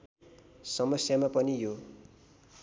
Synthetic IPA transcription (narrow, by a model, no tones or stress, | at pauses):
sʌmʌsjamapʌnijo